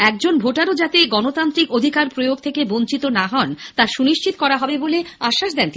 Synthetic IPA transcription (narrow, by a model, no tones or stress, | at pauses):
ɛk̚d͡ʑonbʱoʈaɾod͡ʑat̪eɡɔnot̪ant̪ɾikod̪ʱikaɾpɾojoɡ̚t̪ʰekebont͡ɕit̪onaɦɔnt̪aɾʃuniʃt͡ɕit̪okɔɾaɦɔbeboleaʃːaʃd̪ɛnt̪i